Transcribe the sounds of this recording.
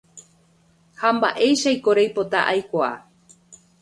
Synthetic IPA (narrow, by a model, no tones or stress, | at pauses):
hamba̰ʔe̞jʃajkoɾejpot̪aʔajkʷaa̰